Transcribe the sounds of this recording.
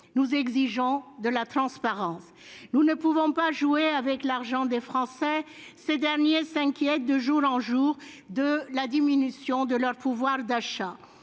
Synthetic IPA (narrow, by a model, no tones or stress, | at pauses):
nuzɛɡziʒɔ̃d̪əlat̪χɑ̃spaʁɑ̃s | nunəpuvɔ̃paʒueavɛklaʁʒɑ̃d̪efχɑ̃sɛsed̪ɛʁnjesɛ̃kʲjɛt̪̚d̪əʒuʁɑ̃ʒuʁ | d̪əlad̪iminysjɔ̃d̪əlœʁpuvwaʁd̪aʃa